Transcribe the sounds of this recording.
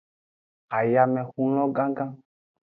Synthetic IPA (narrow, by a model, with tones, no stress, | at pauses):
a˨ja˨mɛ̃˨xũ˦lɔ̃˦ɡã˦ɡã˦